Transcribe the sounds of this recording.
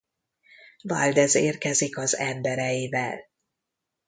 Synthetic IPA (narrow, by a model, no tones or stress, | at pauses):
vald̪ɛzeːrkɛzikɒzɛmbɛɾɛjivɛ̰l